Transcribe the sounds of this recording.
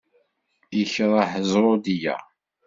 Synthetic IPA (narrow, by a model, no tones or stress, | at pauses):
jəçɾˤəħəzˤɾˤod̪ijæ̰